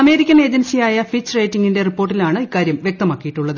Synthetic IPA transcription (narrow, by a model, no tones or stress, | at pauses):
ɐme̞ːɾikʲːɐne̞ːd͡ʑensijaːjɐfit͡ɕːrejtːiŋːɡinde̞ripːoːrʈːilaːɳɨikːaːɾjɐmʋjek̚t̪ɐmaːkːijiʈːuɭːɐðɨ